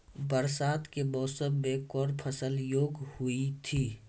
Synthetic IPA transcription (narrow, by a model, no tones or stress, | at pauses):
bəɾsaːt̪kemɔːsəbːẽkɔːɾpʰəsəljoːɡhʊit̪ʰiː